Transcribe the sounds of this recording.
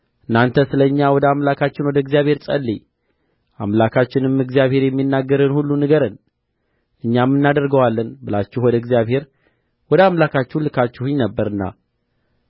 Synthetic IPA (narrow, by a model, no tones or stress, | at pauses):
ʔɨnːant̪ʰəsɨləɨɲːawɔd̪əamlakʰat͡ʃːɪnwɔd̪əɡzijaβhe̞ɾsʼəlːi | ʔamlakʰat͡ʃːɪnɨmːɨɡzijaβhe̞ɾjɛmːinːaɡːəɾɨnhulːunɨɡəɾən | ʔɨɲːamːɨnːad̪əɾɡəwalːənbɨlat͡ʃːuhwɔd̪əɡzijaβhe̞ɾ | wɔd̪əamlakat͡ʃːɛhlɨkat͡ʃːɛhuɲnəbːəɾɨnːa̰